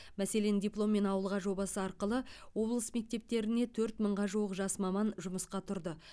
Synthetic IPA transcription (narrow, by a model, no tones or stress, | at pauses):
mæse̞le̞nd̪ʲiplˠo̞mːe̞nɑwəlˠʁɑʒo̞bɑsəɑɾqəlˠəwo̞blˠəsme̞k̚t̪e̞p̚t̪e̞ɾɪne̞t̪ʰɵɾt̪məɴʁɑʒuwəqʒɑsmɑmɑnʒʊməsqɑt̪ʰʊɾd̪ə